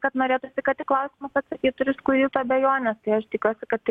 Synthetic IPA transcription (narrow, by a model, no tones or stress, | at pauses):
kɐt̪noːɾʲeːt̪ʊsʲɪkɐt̪ʲɪklˠɐʊsʲɪmɐsɐt̪sɐkʲiːt̪ʊɾʲɪskʊɾʲiːt̪ʊɐbʲɛjoːnʲɛst̪ɐɪɐʃt̪ʲɪkʲuɔsʲɪkɐt̪t̪ʲɪ